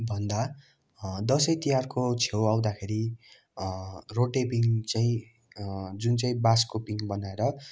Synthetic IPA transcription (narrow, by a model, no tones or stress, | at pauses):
bʱʌnd̪a | d̪ʌsʌjt̪ijarkot͡sʰewaw̃d̪akʰeɾi | roʈepiŋt͡saĩ | d͡zunt͡saĩbaskopiŋbʌnaeɾʌ